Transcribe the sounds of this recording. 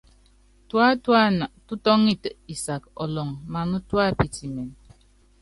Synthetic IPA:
twa˦ta˦˨tu˦tɔ˦ŋi˦tə˨i˨sa˨kɔ̰˨lɔ˨ŋma˨nu˦twa˦˨pi˨ti˨me˨n

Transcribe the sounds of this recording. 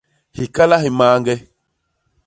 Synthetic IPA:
hi˨ka˦la˦hi˨maː˨˦ŋɡɛ˦

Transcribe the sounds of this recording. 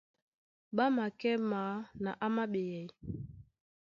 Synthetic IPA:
ɓa˦ma˨kɛ˦ma˨˦na˨ʔa˦ma˦ɓe˨jɛ˨j

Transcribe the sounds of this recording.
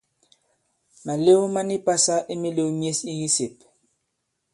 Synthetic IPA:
ma˨le˦u˦ma˦ni˦pa˦sa˦ʔi˦mi˦le˦u˦mi˦e˦si˦ji˦se˨p

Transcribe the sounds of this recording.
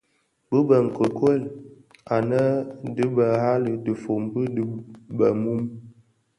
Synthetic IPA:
bə˦bə˨ŋ̩˨kə˨kwə˦˨l | a˨nə˦də˦bə˨ɦa˦lə˨də˨fo˨mbə˦dbə˨mu˦m

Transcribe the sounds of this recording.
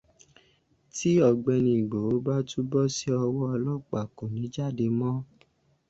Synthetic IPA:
ti˦ɔ˨ɡ͡bɛ˧nĩ˨ɡ͡bo˨o˨˦ba˦tu˦bɔ˦˨si˦ɔ˧wɔ˦ɔ˧lɔ˦˨k͡pa˨kõ˨nĩ˨˦d͡ʒa˦˨de˧mɔ̃˦

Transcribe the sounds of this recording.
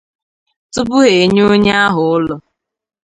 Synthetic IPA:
tʊ˦bʊ˦ɦe˨ɲo˦ɲa˦a˦ɦʊ˨ʊ˦lɔ˨

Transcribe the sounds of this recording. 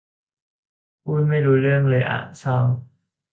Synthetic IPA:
pʰuː˥˩n̚ma˥˩jɾuː˧ɾɯ˥˩əŋlɤː˧jʔa̰ː˨˩t͡ɕʰɔː˥˩

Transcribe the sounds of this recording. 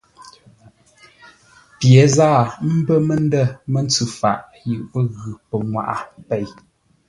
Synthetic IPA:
pje˨˦zaː˦˨m̩˦bə˦mə˦n˦də˦˨mə˦n˦t͡sʉ˦˨fa̰˨ʔ | ji˨ʔpə˦ɣʉ˨pə˨ŋwa̰˨ʔa˨pe˦˨j

